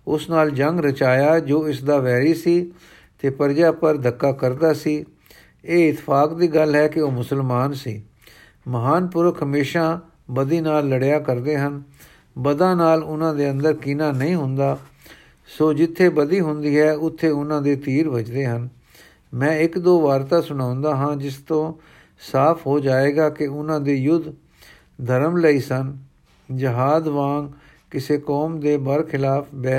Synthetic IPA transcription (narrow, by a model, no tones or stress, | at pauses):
ʊsnaːld͡ʒəŋɡɾət͡ʃaːjaːd͡ʒoːɪsd̪aːʋɛːɾiːsiː | t̪eːpəɾd͡ʒaːpəɾd̪ʱəkːaːkəɾd̪aːsiː | eːɪt̪ːɪ̥pʰaːkd̪iːɡəlɦɛːkɪoːmʊsəlmaːnsḭː | məɦaːnpʊɾkʰːəmeːʃãː | bəd̪iːnaːlːəɽjaːkəɾd̪eːɦən | bəd̪ãːnaːlʊnãːd̪eːənd̪əɾkɪnãːnəĩːɦʊ̃nd̪aː | soːd͡ʒɪt̪ʰːeːbəd̪iːɦʊnd̪iːɦɛːʊt̪ʰːeːʊnãːd̪eːt̪iːɾʋət͡ʃd̪eːɦən | mɛ̃ːɪkd̪oːʋaːɾt̪aːsʊɽ̃ãːʊnd̪aːɦãːd͡ʒɪst̪õː | saːpʰɦoːd͡ʒaːeːɡaːkɪʊnãːd̪eːjʊd̪ | d̪ʱəɾəmləiːsən | d͡ʒəɦaːd̪ʋãːŋɡ | kɪseːkɔːmd̪eːbəɾkʰɪlaːpʰbɛː